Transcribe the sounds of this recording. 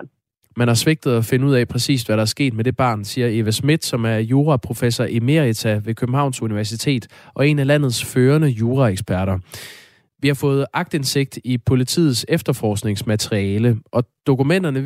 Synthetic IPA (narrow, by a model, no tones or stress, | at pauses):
mænhɑ̈sʋe̝ɡ̥̚d̥ð̩ˠæfe̝nəuð̰ˠɛpʰʁɛsḭːsʋæɾɑ̈æɐsɡ̥e̝̰ːd̥med̥e̝b̥ɑ̰̈ːnsiːɐe̝ʋæsmid̥sɒ̽mæɐjo̝ːʁɑpʰʁo̝fesɒʔime̝ʁit͡sʰæʋe̝kʰøb̥m̩hɑ̈ʊ̰nsuniʋæɐs̬it͡sʰe̝̰ːd̥ | ʔɒ̽e̝nælæn̰ð̞̩ˠsføːɐnəjoːʁɑ̈eɡ̥sb̥æɐɾɐ | ʋihɑ̈fɔ̽ːð̞̩ˠʔɑ̈ɡ̥d̥e̝nse̝ɡ̥̚d̥ipʰo̝lit͡sʰḭːð̩ˠsefd̥ɐfɒːsɡ̥ne̝ŋsmæt͡sʰʁiɛːləʔɒ̽d̥o̝kumen̰d̥ɐnə